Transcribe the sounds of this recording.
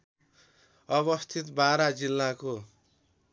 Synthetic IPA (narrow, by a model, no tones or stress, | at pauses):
ʌbʌst̪ʰit̪baɾad͡zilːako